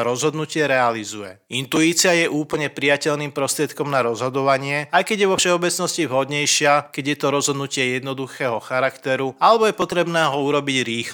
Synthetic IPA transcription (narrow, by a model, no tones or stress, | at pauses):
ɾɔzɦɔd̪nucɪɛɾɛalizujɛ̰int̪uiːt͡sɪajɛʔuːpl̩ɲɛpɾijacɛʎniːmpɾɔst̪ɾɪɛt̪kɔmnaɾɔzɦɔd̪ɔʋaɲɪɛajkɛɟjɛʋɔfʃɛɔbɛt͡snɔscivɦɔd̪ɲɛjʃɪakɛɟjɛt̪ɔɾɔzɦɔd̪nucɪɛjɛd̪nɔd̪uxɛːɦɔxaɾakt̪ɛɾualɛbɔjɛpɔt̪ɾɛbnɛːɦɔuɾɔbiɟɾiːx